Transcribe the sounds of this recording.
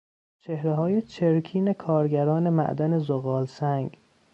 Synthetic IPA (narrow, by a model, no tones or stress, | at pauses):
t͡ʃʰe̞hɾeɦɒːjet͡ʃʰeɾkʰiːne̞kʰɒːɾɡæɾɒːne̞mæ̰ʔd̪æne̞zoɣɒːlsæŋɡ